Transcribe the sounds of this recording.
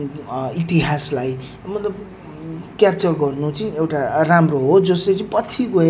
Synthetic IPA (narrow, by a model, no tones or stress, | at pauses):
it̪iɦaslaj | mʌt̪lʌb | kjap̚t͡sʌrɡʌrnut͡sʌewʈaramroɦod͡zʌslet͡sʌĩpʌt͡sʰiko